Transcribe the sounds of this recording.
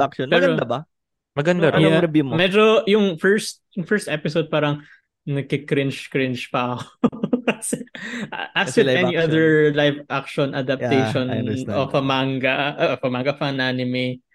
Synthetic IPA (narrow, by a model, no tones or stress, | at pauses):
akʃonpɐɛɾɐod̪abɐ | mɐɡɐnd̪aɾɐbɪmmɛd͡ʒojʊŋfɛɹst̪̚jʊŋfɛɹst̪ʔɛpɪsowd̪̚paːɾɐŋ | nɐɡ̚kɪkɾɪnt͡ʃkɾɪnt͡ʃpɐɐkokɐsɛʔat̪uɛniʔɐðɛɹlajvʔakʃɔnʔɐd̪ɐp̚t̪ɛjʃɔnʔopɐmaŋɡɐpɐmaŋɡɐfɐnanɪmɪ